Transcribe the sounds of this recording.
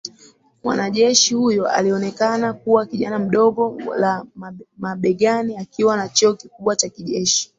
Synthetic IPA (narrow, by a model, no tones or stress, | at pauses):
mwa̰naʄɛʃihujɔʔa̰liɔnɛkanakuwakiʄanam̩ɗɔɡɔlammaɓɛɡaniakiwanat͡ʃɔɔkikuɓwat͡ʃakiʄɛʃi̥